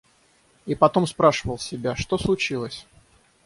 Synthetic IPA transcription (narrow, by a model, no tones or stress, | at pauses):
ipɐt̪o̞mspɾaʂɨvəlˠsʲɪbʲaʂt̪o̞slˠʊt͡ɕilˠəsʲ